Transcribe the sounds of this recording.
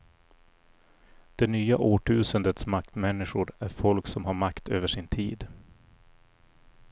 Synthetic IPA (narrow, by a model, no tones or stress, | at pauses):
d̪̥ɛnyːaʔoːʈʰʉ̟ːsənd̪ət̪smakt̪mɛnːɪɧʊɾæɾfɔlksɔmɦaɾmakt̪ʰøːvəʂɪnt̪ʰiːd̪